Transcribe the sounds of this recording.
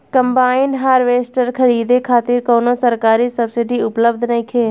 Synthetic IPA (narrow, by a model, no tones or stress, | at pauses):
kəmbaːɪnɖɦaːɾʋeːsʈəɾkʰəɾiːd̪ekʰaːt̪ɪɾkoːnosəɾkaːɾisəbsɪɖiʊpləbd̪ʱnəĩkʰeː